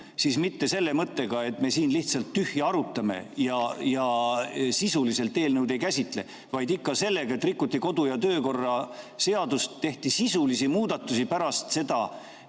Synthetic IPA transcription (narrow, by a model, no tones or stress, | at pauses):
sismit̪ːe̞se̞lːe̞mɤt̪ːe̞ɡ̥ɑe̞t̪me̞siːnliht̪sɑlt̪ːyhjiɑɾut̪ːˑɑme̞̰jɑjɑsisulise̞lt̪ːe̞ːlnəwd̪e̞jkæsʲit̪ˑle̞̰ | vɑjd̪ikːɑse̞lːe̞ɡ̥ɑe̞t̪ːˑrikːut̪ˑːiko̞d̪ujɑt̪ø̞ːko̞rːɑse̞ɑd̪ust̪t̪ːe̞ht̪isisulisimuːd̪̥ɑt̪ːˑusipæɾɑst̪se̞d̪̥ɑ